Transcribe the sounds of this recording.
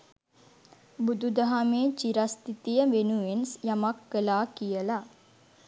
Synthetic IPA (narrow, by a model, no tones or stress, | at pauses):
bud̪ud̪aɦameːt͡ʃiɾast̪it̪ijəʋenuʋensjamakːəlaːkijəla